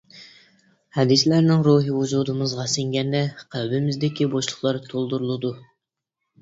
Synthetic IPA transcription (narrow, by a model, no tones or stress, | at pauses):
hɛd̪ɪslæɾnɪŋɾuɦɨvud͡ʒud̪ɨmɨzʁɑsɪŋɡʲɛnd̪ɛqʰælbɪmɪzd̪ɪkʲiboʃlˠʊχlˠɑɾt̪ʰolˠd̪uɾulˠɨd̪u